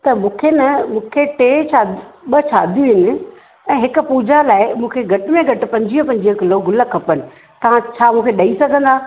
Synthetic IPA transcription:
t̪ɐmũːkʰenɐmũːkʰeʈeːt͡ɕaːɓɐt͡ɕʰaːd̪ʱijũɦɪnɪ̆ | ɛ̃ːɦɪkʊ̆puːd͡ʑalaːɪmũːkʰeɡʱɐʈɪmẽɡʱɐʈɪ̆pɐ̃ɲd͡ʑiːɦə̃pɐ̃ɲd͡ʑiɦə̃kɪloɡʱʊləkʰɐpənɪ̆ | t̪ɐʋ̤ãt͡ɕʰaːmũːkʰeɗɐisɐɡʱə̃nd̪aː

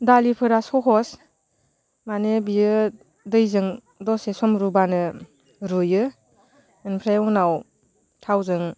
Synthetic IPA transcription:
dalipʰɯɾasɔkʰɔs | manebijɯ | dɯjzɯŋ | dɔsesɔmɾubanɯ | ɾujɯ | ɯnpʰɾajunaw | tʰawzɯŋ

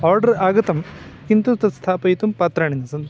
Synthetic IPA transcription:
aːɾɖɐɾaːɡɐt̪ɐmkint̪ut̪ɐst̪ʰaːpɐjit̪umpɐt̪ɾɐːɳinɐsɐn

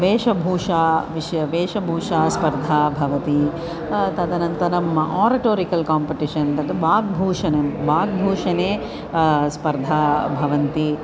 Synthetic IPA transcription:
ʋeːʂɐbʱuːʂaːʋiʂjɐʋeːʂɐbʱuːʂaːspɐɾd̪ʱaːbʱɐʋɐt̪i | t̪ɐd̪ɐnɐnt̪ɐnɐmɐʔaːɾɐʈoːɾikɐlkaːmpiʈiʂɐnt̪ɐd̪ɐʋaːɡ̚bʱuːʂɐnɐmʋaːɡ̚bʱuːʂɐneː | spɐɾd̪ʱaːbʱɐʋɐnt̪i

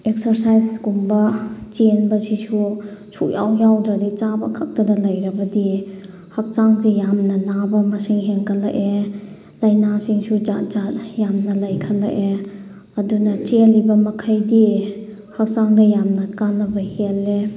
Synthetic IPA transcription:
ek̚sɐɾsajsɡumbɐt͡ʃenbɐsisusʰuja̰wjawdɾɐdit͡ʃabɐ̰kʰak̚tɐdɐlɐjɾɐbɐdi | hɐk̚saŋzejamnɐnabɐmɐsiŋɦeŋkʰɐla̰ʔe | lajnasiŋsud͡ʒazat̚jamnɐlɐjkʰɐla̰ʔe | ɐdunɐt͡ʃelibɐmɐkʰajdi | hɐk̚t͡ʃaŋdɐjamnɐkanɐbɐhele

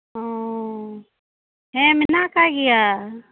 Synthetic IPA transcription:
ɔ | ɦɛ̃mɪnakaɡɛja

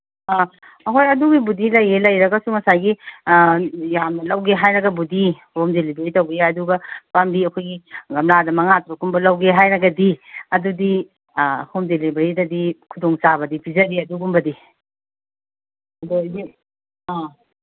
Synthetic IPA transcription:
a | ɐɦojɐduɡibudilɐjelɐjɾɐɡɐsumɐsajɡi | jamnɐlɐwɡeɦajɾɐɡɐbudihomdelibeɾitɐwɡeɐduɡɐpambiɐkʰojɡiɡɐmladɐmɐŋatɾukumbɐlɐwɡeɦajɾɐɡɐdiɐdudi | homdelibeɾidɐdikʰudoŋt͡ʃabɐdipʰizɐdiɐduɡumbɐdi | ɐdodi | a

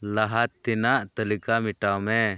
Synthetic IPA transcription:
laɦat̪ːinaʔt̪əlikamiʈawmɛ

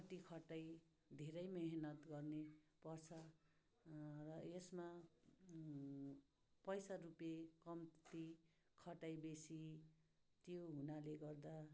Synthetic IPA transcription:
kʌʈikʰʌʈaj | d̪ʱeɾʌjmeɦnʌt̪ɡʌrnepʌrt͡sʰʌ | rʌesma | pʌjsarupekʌmt̪i | kʰʌʈajbesi | t̪joɦunaleɡʌrd̪a

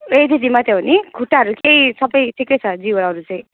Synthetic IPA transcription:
et̪ʰid͡zimat̪ebʱonikʰuʈaʌɾukejsʌbʌjʈʰikejt͡sʰʌd͡ziwʌɾaɦɾut͡sʌj̃

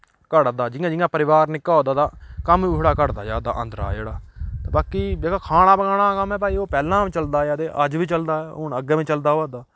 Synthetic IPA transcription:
kəɽd̪aːd͡ʒɪjãːd͡ʒɪjãːpəɾɪʋaːɾnɪkːaːd̪aːd̪aːkəmiʊɦɽaːkəɽd̪a̰ːd͡ʒaːd̪a̰ːʔə̃nd̪ɾa̰ːd͡ʒḛːɽaːt̪eːbaːkiːd͡ʒeːkaːkʰaːɽ̃aːbəɡaːɽ̃aːkəmɛ̃ːpaːiːoːpɛːlãːʋĩːt͡ʃəld̪aːjaːd̪eːʔəd͡ʒʋiːt͡ʃəld̪aːʊɳəɡeːʋĩːt͡ʃəld̪aːaːd̪aː

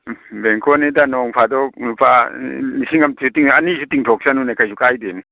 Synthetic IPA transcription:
beŋkʰɔnidanɔŋpʰadɔpʰalisiŋamtitiŋanisutiŋtʰɔk̚sanunakajsukajden

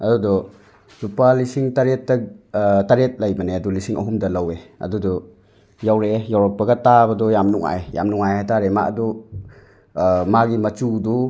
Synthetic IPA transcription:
ɐdudɔ | zupalisiŋtaɾetːɐtaɾet̚lajbɐneɐdulisiŋʔɐ̰ɦumdɐlaweɐ̰dudɔ | jawɾejawɾɔp̚pːɐɡɐtabɐdɔjamnuŋa̰eja̰mnuŋajajtaɾema̰adɔ | maɡimɐt͡ʃudu

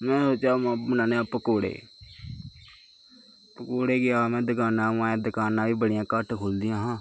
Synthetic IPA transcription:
mɛ̃ːsot͡ʃaːmãmənãːneaːpəkoːɽḛː | pəkoːɽeːɡɪaːmɛ̃ːd̪əkaːnãːãːẽːd̪əkaːnãːʋiːbəɽɪjãːkəʈʰkʰoːld̪ɪjãːɦãː

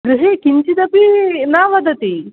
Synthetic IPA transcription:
ɾuɦekiɲt͡ɕid̪ɐpinaʋad̪ət̪i

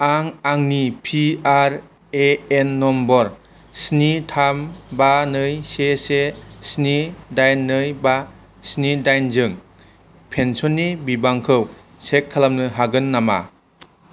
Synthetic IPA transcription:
aŋaŋnipʰiaɾ | eenːɔmbɔɾ | snitʰambanɯjsesesnidajnːɯjba | snidajnzɯŋ | pʰensɔnːibibaŋkʰɯw | sekʰːalamnɯɦaɡɯnːama̰

